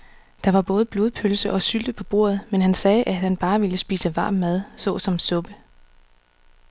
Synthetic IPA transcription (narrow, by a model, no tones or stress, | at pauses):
d̥ɑ̈ʋɑ̈b̥ɔ̽ːð̞̩ˠb̥lo̝ðˠpʰølsəʔɒ̽syld̥əpʰɒ̽b̥o̝̰ːɐ̰ð̞̩ˠmenɦænsɛːʔæhænb̥ɑ̈ːʋiləsb̥ḭːsəʋɑ̈ːmːæð̞ˠsɔ̰̽ːsɒ̽msɔ̽b̥ə